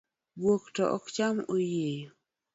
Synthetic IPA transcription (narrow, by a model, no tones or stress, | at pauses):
bwoktɔʔɔ̰kt͡ʃamojejo